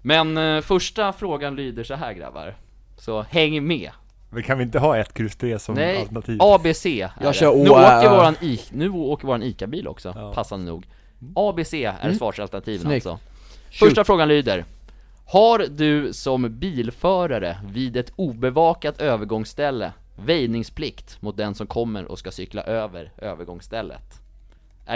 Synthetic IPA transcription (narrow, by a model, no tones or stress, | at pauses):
mɛnfœʂʈafɾoːɡanlyːd̪əʂɔɦæ̰ːɾɡɾa̰vːa̰ɾ | sɔhɛŋːmɛ̰ː | vɛɪkʰanvɪɪnt̪əɦɑːɛt̪kʰɾʉst̪ʰɾeːsɔmnɛjlt̪nat̪ʰiːɑbeːseːʔæ̰ʉoːkəɾvoːɾaniːnʉ̟ːoːkəɾvoːɾaniːkabiːlʔɔ̰ksɔ̰pʰasːad̪ənṵːɡ | ɑːbeːseːæ̰ɾsvɑːʂalt̪ənat̪ʰiːvənsɔ̰ | fœʂʈafɾoːɡanlyːd̪əɾ | haɾd̪ɵsɔmbiːlfœːɾaɾə̰vɪːd̪ɛt̪uːbɛvɑːkat̪ʰøːvəɾɡɔŋsːt̪ɛlːə̰ | vɛjnɪŋspʰlɪkt̪mʊt̪̚d̪ɛnsɔmkʰɔmːə̰ɾʔɔ̰skasʏkla̰ʔøːvəɾø̰ːvəɾɡɔŋst̪ɛlːə̰t̪ | ʔæ